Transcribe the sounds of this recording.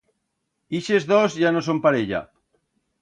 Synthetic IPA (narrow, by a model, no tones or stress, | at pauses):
iʃezðozʝanos̬ompaɾeʎa̰